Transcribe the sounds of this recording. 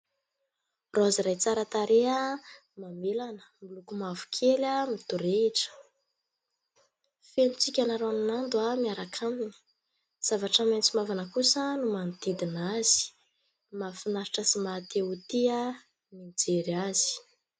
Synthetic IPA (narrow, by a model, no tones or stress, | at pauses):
rʔaaziɾajt͡saɾat̪aɾʔea | mamelanə̥milukumavu̥kʲʰelʲamit̪uɾeiʈ͡ʂə̥ | fenut͡sikʲanaɾoaninand̪uamiaɾakʰamini̥ | z̥avaʈ͡ʂəment͡simavanəkusənumand̪id̪inaz̥i̥ | mafinaɾiʈ͡ʂəsimat̪eut̪ia | mind͡zeɾiaz̥i̥